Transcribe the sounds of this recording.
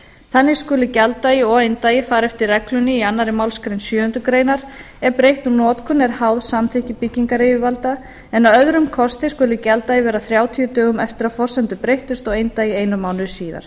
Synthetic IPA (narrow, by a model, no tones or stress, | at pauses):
θanːɪskʏːlʏcɛlt̪aiɔejnt̪aːjɪfaːɾɛft̪ɪɾrɛklʏnɪianːaɾɪmawlskɾejnsjœːhʏnt̪ɾʏkɾeːjnaɾ̥ | ɛɾpɾejht̪unɔːt̪kʰʏnɛɾ̥haːwðsamθʰɪhcɪpicːiŋkaɾejʏvalt̪a | ɛnawœðɾʏmkʰɔst̪ɪskʏːlʏcɛlt̪ajɪvɛːɾaθɾjaːwt̪ʰiʏt̪œːɣʏmɛft̪ɪɾaðfɔr̥sɛnt̪ʏpɾejht̪ʏst̪ɔɣejnt̪ajɪejnʏmaːwnʏsiːða̰ɾ̥